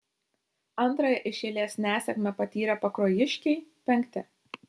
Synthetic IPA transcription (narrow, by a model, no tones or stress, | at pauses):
ɐnˑt̪ɾɐjɛʔɪʃʲeːlʲeːsʲnʲæːsʲɛkmʲɛpɐt̪ʲiːɾɐpɐkɾoːjɪʃʲkʲɛɪpʲɛŋʲkʲt̪ʲɪ